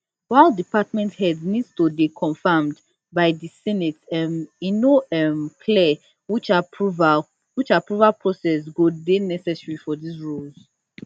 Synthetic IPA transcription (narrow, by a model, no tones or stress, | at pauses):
waɪldipatmɛ̃nthɛdnidstubikʰɔ̃nfamd | baɪdisɛnɛtɛminoɛmkʰlɛ | wit͡ʃapuva | wit͡ʃapɹuvalpʰɹɔsɛsɡodenɛsɛsɹifɔdisɹulz̥